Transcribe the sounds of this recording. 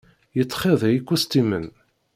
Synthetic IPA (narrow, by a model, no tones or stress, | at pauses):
jət͡sːχeðˤjikʷːust̪imən